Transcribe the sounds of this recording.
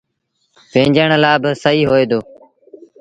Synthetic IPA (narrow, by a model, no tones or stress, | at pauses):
pẽːɲd͡ʒəɳlaːbəsəɦiːɦoːeːd̪oː